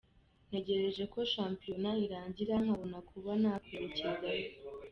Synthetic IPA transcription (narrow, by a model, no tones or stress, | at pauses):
n̥e̞ɟe̞ɾe̞ʒe̞ko̞ʃaːmpijo̞naiɾaːɲɟiɾaŋhaβonakʰuβanaːkeɾeciza